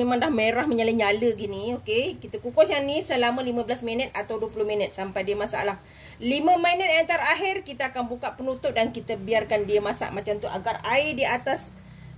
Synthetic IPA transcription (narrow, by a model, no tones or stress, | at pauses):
memãŋdahmeɾahməɲaləɲaləɡiniokekit̪akukɔsjanisəlamə̃limãbəlasmənət̪̚at̪awduəpuluhminət̪̚sampajdiəmasa̰lah | limə̃manət̪̚ant̪aɾaɦɪrkit̪aakanbukaʔpənut̪ʊp̚dankit̪əbiarkandiəmasa̰ʔmat͡ʃamt̪uʔa̰ɡaraɪdiat̪as